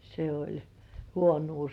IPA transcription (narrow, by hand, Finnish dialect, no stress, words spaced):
se olʲ huonuː